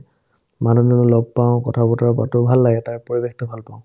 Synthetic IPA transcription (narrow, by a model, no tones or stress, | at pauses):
manunɔnulɔb̚paʊ̃kɔtʰabɔtaɹɔba̰tɔbʱalːaɡɛtaɹpoɹibextʊbʱalpaʊ̃